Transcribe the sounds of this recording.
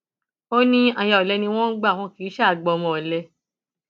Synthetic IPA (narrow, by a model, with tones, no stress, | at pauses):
o˦nĩ˦a˨ja˨ɔ˨lɛ˧˦nĩ˧w̃ɔ̃˦ɡ͡ba˦˨w̃ɔ̃˧˦ki˨˦ʃɛ˦a˨ɡ͡bɔ˧˨mɔ̃˨lɛ˧